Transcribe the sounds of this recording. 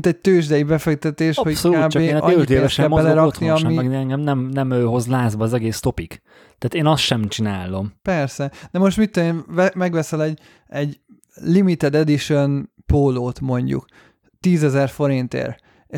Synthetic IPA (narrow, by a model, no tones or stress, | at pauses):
t̪ɛɟ̚t̪øːʒd̪ɛjibɛfɛk̚t̪ɛt̪eːʃhosoaːbeːʔɒøːʒd̪eːɛʃɛmbɛlɛɾɒkniɒmiɛŋɡɛmnɛmnɛmøːɦo̞zlaːzbɒːzɛɡeːst̪o̞pik | t̪aːt̪eːnɒsʃɛmt͡ʃinaːlo̞mpɛrsɛd̪̥ɛmo̞ʃt̪mit̪ːueːnɛmɛɡʋɛsɛlɛɟ | ɛɟ | limit̪ɛd̪ɛd̪iʃøn | poːloːt̪mo̞ɲɟṵk | t̪iːzɛzɛrfo̞ɾint̪ḛːr | e